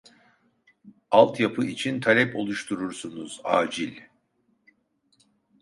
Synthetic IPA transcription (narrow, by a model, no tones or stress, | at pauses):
alˠt̪japʰɯit͡ʃʰint̪ʰalʲɛpo̞lˠuʃt̪ʰuɾuɾsunuz̥a̰ːd͡ʒilʲ